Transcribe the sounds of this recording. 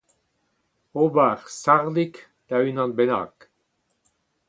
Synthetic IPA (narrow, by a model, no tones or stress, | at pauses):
obaʁsaʁlik | d̪̥aynɑ̃nbɛna̰ːk